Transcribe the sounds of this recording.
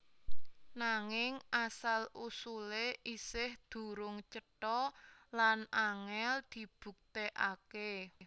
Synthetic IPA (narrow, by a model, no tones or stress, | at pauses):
naŋɪŋʔasalusuleʔisɪhd̪̥ṳɾʊŋt͡ʃəʈɔlanaŋɛld̪̥i̤b̥ṳk̚t̪eʔake